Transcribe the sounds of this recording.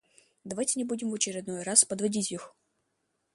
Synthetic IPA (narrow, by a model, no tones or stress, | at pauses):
d̪ɐvajtʲɪnʲɪbudʲɪmvət͡ɕɪɾʲɪd̪no̞jɾaspəd̪vɐdʲitʲix